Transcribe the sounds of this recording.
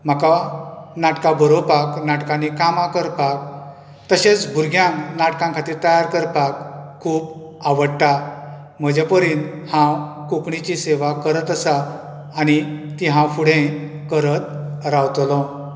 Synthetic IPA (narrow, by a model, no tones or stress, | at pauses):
m̤akanaʈkabəɾopaknaʈkãnikamãkəɾpak̚ | t̪əɕet͡sbʱuɾɡʱjãŋnaʈkãŋkʰat̪iːɾt̪əjaɾkəɾpakkʰːuːb | aʋəɽʈ̪a | m̤əd͡ʑepəɾiːnhãwkukɳit͡ɕiseʋakəɾət̪əsaː | ɽ̃it̪iɦãfuɽ̤ẽ | kəɾət̪ɾawt̪lɔ̃